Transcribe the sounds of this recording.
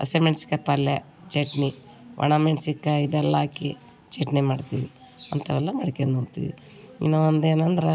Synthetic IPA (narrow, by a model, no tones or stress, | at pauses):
ɐ̰semeɳʈsi̥kːɐpːɐlːe | t͡ʃeʈni | ʋʔɐ̰ɳameɳʈsikːaibɛlːɐaːki | t͡ʃeʈnimaːɖt̪iʋi | ɐnt̪ɐʋɛlːɐmɐɽikenuːt̪ḭʋḭ | ḭnɐʋɐnd̪eːnɐnd̪ɐɾɐ